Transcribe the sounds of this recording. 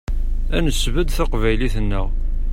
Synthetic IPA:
ænəsvəd̪θaqvæjliθənːəʁ

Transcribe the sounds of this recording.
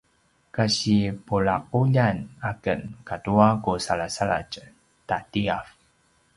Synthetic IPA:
kaɕipuɭaq̚uʎanakə̰nkatuakusaɭasaɭa̰t͡ʃ | tatiaf

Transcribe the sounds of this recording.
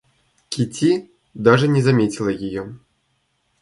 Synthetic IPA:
kʲit͡sʲi | d̪aʐɨnʲɛzamʲet͡sʲilˠɐjijɔ

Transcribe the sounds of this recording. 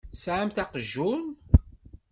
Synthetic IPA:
sʕamθæqəʒːʊn

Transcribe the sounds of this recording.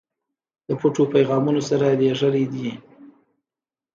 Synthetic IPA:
d̪̥əpoʈopajɣɑmunosaɾad̪eʐəɾed̪i

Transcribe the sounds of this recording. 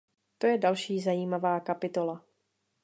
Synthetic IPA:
t̪o̞jɛdalʃiːzajiːmavaːkapɪt̪o̞la

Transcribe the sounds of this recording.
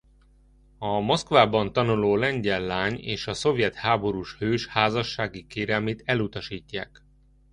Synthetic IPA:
ɒmo̞skvaːbɒnt̪ɒnuloːlɛɲɟɛlːaːɲḛːʃɒso̞vjɛt̪haːbo̞ɾuːʃhøːʃhaːzɒʃːaːɡikeːɾɛlmeːt̪ɛlut̪ɒʃiːcːaːk

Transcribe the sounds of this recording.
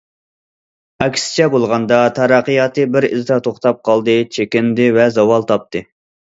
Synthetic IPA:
ɛkʲsɪ̥t͡ʃʰɛbolˠʁɑnd̪ɑt̪ʰɑɾɑqijɑt̪ʰɨbɪɾḭzd̪ɑt̪ʰoχt̪ɑp̚qʰɑlˠd̪ɨt͡ʃʰekʲɪnd̪ɪvɛzɑwɑlˠt̪ʰɑp̚t̪ʰɨ

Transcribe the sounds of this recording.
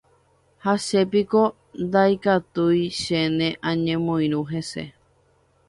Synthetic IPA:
haʃe̞piko̞ | nd̪ajkat̪ujʃenẽʔãɲẽmõj̃ɾ̃ũɦese̞̰

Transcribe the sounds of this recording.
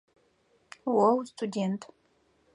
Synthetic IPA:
wɔwstʰudʲentʰʼ

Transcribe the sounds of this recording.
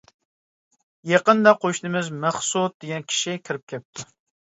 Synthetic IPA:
jeqənd̪ɑqʰoʃnɨmɪzmæχsut̪̚d̪eɡʲɛnkʲʰi̥ʃikʲʰɪɾɪp̚kʲɛp̚t̪ʰu

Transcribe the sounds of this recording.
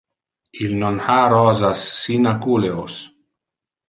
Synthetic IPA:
ilnonhaɾɔːzasːinakuleos

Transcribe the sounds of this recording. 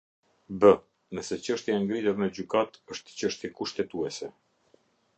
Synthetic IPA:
bə | nəsɛt͡ɕəʃt̪jaɛŋɡɾit̪uɾnəd͡ʑykat̪əʃt̪t͡ɕəʃt̪jɛkuʃt̪ɛt̪uɛsɛ

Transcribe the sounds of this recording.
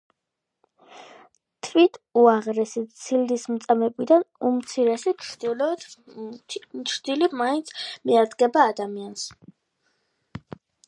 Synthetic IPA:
t̪ʰvit̪ʰuaʁɾɛsit̪sʰild̪ismt̪sʼamɛpʼid̪anumt̪sʰiɾɛsit͡ʃʰd̪lɔ | t͡ʃʰɾd̪ilimaint̪sʰmiaɾd̪ɡɛbaːd̪amians

